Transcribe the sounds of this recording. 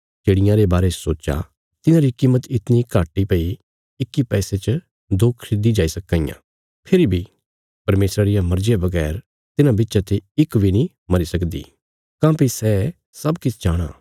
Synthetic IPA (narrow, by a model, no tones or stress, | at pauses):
t͡ʃeːɽɪjãɾebaːɾesoːt͡ʃa̰ | t̪ɪnãɾikiːmət̪ɪt̪nikaːʈːipɐi | ɪkːipɛːset͡ʃə | d̪ʊkʰɾɪd̪id͡ʒaːisɐkːãːɪjã̰ː | pʰɪɾibʱi | pɐɾmeːsɾaɾɪjãmɐɾd͡ʒejabɐɡɛːɾ | t̪ɪnãbɪtːʃat̪eɪkbʱinĩ | mɐɾisɐkd̪ḭː | kãːpisɛ | sɐbkɪt͡ʃʰd͡ʒaːɽ̃a̰ː